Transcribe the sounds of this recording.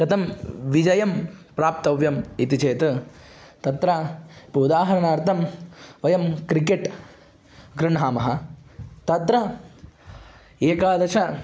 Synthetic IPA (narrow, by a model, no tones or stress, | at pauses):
ɡɐt̪ɐmʋid͡ʒɐjɐmpɾaːp̚t̪ɐʋjɐmit̪it͡ʃeːt̪ɨ | t̪ɐt̪ɾɐpɐud̪aːɦɐɾɐɳaːɾt̪ʰɐmʋɐjɐmkɾikeʈ | ɡɾɨɳɦaːmɐɦɐt̪ɐt̪ɾɐ | eːkaːd̪ɐʂɐ